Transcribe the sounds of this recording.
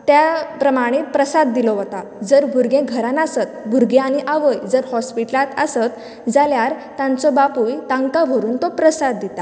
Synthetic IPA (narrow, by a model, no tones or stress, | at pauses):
t̪japɾəmaɽ̃epɾəsad̪ːilɔʋət̪ad͡zəɾbʱuɾɡẽɡʱəɾanasət̪̚bʱuɾɡẽaɽ̃iʔaʋəjd͡zəɾhɔspiʈəlat̪əsət̪ | d͡zaljaɾ | t̪ãnt͡sɔbapujt̪ãŋkaʋʱəɾuːnt̪ɔpɾəsad̪ːit̪a